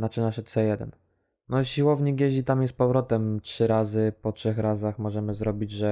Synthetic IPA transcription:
nat͡ʂɘnaɕɔt̪sɛjɛd̪ɛ̰n | nɔɕiwɔvɲiɡjeʑit̪amjɛst̪pɔvɾɔt̪ɛmtʂɘɾazɘpɔtʂɛxɾazaxmɔʐɛmɘzɾɔbʲid͡ʑʐɛ

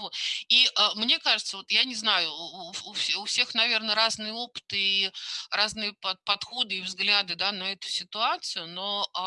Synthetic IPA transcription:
voiʔəmnʲe̞kaʐɨt̪səvot̪janʲɪznajʊːfʲʊfsʲe̞xnɐvʲe̞rnəɾaznɨjəo̞pɨ̥t̪ɨiɾaznɨjəpɐpɐt̪xo̞d̪ɨivzɡlʲad̪ɨd̪anɐɛt̪ʊ̥sʲɪt̪ʊat̪sɨjʊno̞

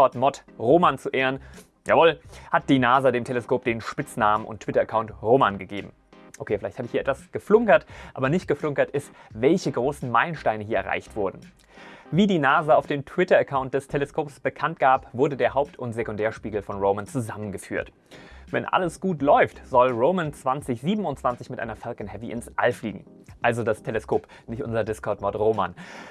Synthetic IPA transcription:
ɔɐtmɔtʁoːmant͡suʔeːʁən | ja̰ːvɔlhat̚d̥iːnaːzadeːmtʰeləskʰoːp̚d̥eːnʃpɪt͡snaːmənʔʊ̰ntʰːv̥ɪtɐəkʰaʊntʁoːmanɡəɡeːbm̩ | ʔokʰeːfɪlaɪçthaːbɪçhiːɛtvasɡ̥əflʊŋkɐtʔaːbɐnɪçt̚ɡ̥əflʊŋkɐtɪstvɛlçəɡʁoːsn̩maɪlənʃtaɪnəɦiːɐɛɐʁa̰ɪçtv̥ʊɐdn̩ | viːdiːnaːzəaʊfd̥eːmtʰw̥ɪtɐəkʰaʊnt̚d̥ɛstʰeləskʰoːpsb̥əkʰant̚ɡ̥aːpv̥ʊɐdədeːɐɦaʊp̚tʰʊntz̥ekʊndɛːɐʃpiːɡl̩fɔnʁoʊmənt͡suzamənɡəfyːɐt | vɛ̰nʔa̰ləsɡ̥uːtlɔʏftz̥ɔlʁoʊmənt͡sv̥ant͡sɪçz̥iːbm̩ʊntt͡sv̥ant͡sɪçmɪtʔa̰ɪnɐfalkən̩hɛviʔɪnsʔa̰lfliːɡŋ̩ | ʔalzodastʰeləskʰoːp | nɪçtʔʊ̰nzɐdɪskʰɔɐtmɔɐtʁoːma̰n

